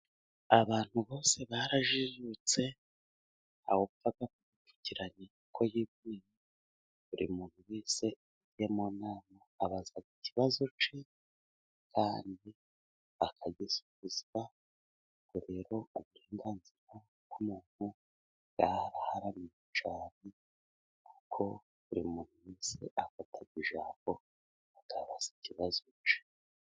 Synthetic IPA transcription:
aβaːn̥huβo̞ːse̞βaɾaʒiʒut͡se̞ | ha̰woβutaɡakuutu̥ciɾaɲe | kʰo̞jiβije | βuɾḭmuːn̥huwiːse̞ | ɟijemonaːmaːβazaɡiciβazo̞t͡ʃi | kʰaːndi | akʰaɡisu̥βuzia | koɾe̞ɾo̞uβuɾeːŋɡanziɾa | ɡumuːn̥hu | ɡahaɾahaɾamiɲet͡ʃaːne̞ | kukʰo̞ | βuɾḭmuːn̥huwiːse̞̰ʔafatʰaɡɡiʒaːmbo̞ | akaβaz̥i̥ciβazot͡ʃi̥

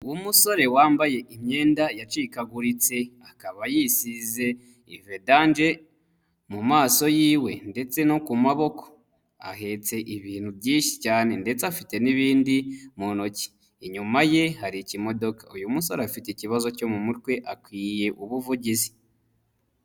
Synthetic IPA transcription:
uwumuso̞ɾe̞waːmbaje̞ʔimɲe̞ːndajat͡ʃikaɡuɾit͡se̞akaβajisize̞ | ivedand͡ʒe̞ | mumaːso̞jiːwe̞nde̞t͡se̞no̞kumaβo̞ko̞̥ | a̰ɦe̞t͡se̞ʔiβiːn̥hubɟiːnʃi̥caːne̞nde̞t͡seafite̞niβiːndimunoci̥ː | ɲumaje̞haɾicimo̞do̞kḁujumuso̞ɾeafiteciβazo̞co̞mumutwe̞ʔakwiːje̞ʔuβuvuɟizi

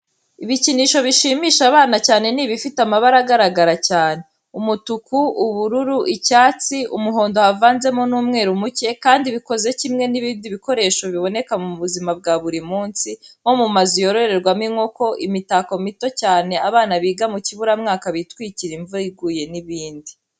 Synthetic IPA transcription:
iβiciniːʃo̞βiʃiːmiːʃaβaːnacaːne̞niːβifitamaβaɾaɡaɾaɡaɾacaːne̞ | umutukuːβuɾuɾuʔicaːt͡siʔumuɦo̞ːndo̞havaːnze̞monuːmŋe̞ːɾumuce̞kaːndiβiko̞ze̞cimŋe̞niβiːndiβiko̞ɾe̞ːʃo̞βiβo̞ne̞kamuβuzimab̚ɡaβuɾimuːnsimo̞mumazijo̞ɾo̞ɾe̞ɾɡwamiŋo̞ko̞ʔimitako̞mito̞caːne̞aβaːnaβiːɡamuciβuɾamŋaːkaβitwiːciɾiɱvuɾiɡuːje̞niβiːndi

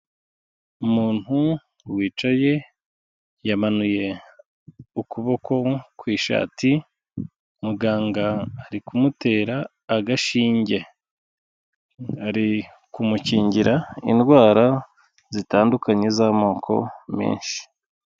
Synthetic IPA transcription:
umuːn̥hu | wiːt͡ʃaje̞ | jamanuje̞ | ukuβo̞kʰo̞kwiːʃa̰ːti | umuɡaːŋɡaːɾikumute̞ːɾaː | ɡaʃiːɲɟe̞ | aɾi | kumuciːɲɟiɾaḭndɡwaːɾa | zitaːndukaɲe̞zamo̞ːkʰo̞̰mḭːnʃi̥

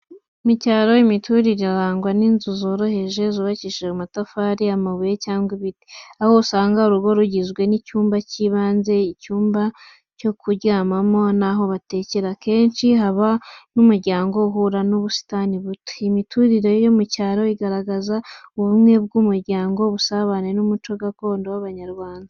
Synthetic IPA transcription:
imicaːɾo̞imitʰuɾiɾeaɾaːŋɡwaninzuzo̞ːɾo̞he̞ʒe̞zuβaciʃeumatafaːɾiamaβujecaːŋɡwiβiti̥aho̞usaːŋɡauɾuɡo̞ɾuɟizɡwe̞nicuːmbaciβaːnze̞icuːmba | co̞kʰuɾɟaːmamo̞naɦo̞βate̞ce̞ɾake̞ːnt͡ʃiɦaβanumuɾɟaːŋɡo̞ɦuɾanuβusi̥taniβute̥imitʰuɾiɾe̞jomucaːɾoiɡaɾaɡazauβumŋe̞b̚ɡumuɾɟaːŋɡo̞βusaβanenumut͡ʃo̞ɡako̞ːndowaβaɲaɾɡwaːnda

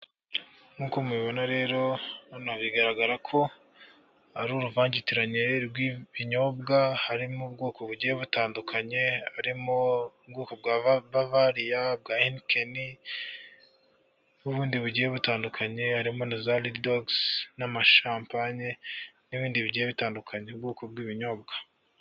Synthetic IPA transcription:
ŋuːkomuβiβo̞naɾe̞ːɾo̞anaβiɡaɾaɡaɾakʰo̞ | aɾuɾuvaːɲɟitiɾaɲeɾɡwiβiɲo̞bɡahaɾimubɡo̞ːko̞βuɟijeβutaːndukʰaɲe̞haɾimoub̚ɡoːkob̚ɡaβavaɾijab̚ɡaːinkeni | uβuːndiβuɟijeβutaːndukʰaɲe̞haɾimo̞nizaliddoɡsnamaʃaːmpaɲeniβiːndiβiɟijeβitaːndukʰaɲeubɡoːkob̚ɡwiːβiɲo̞ːbɡḁ

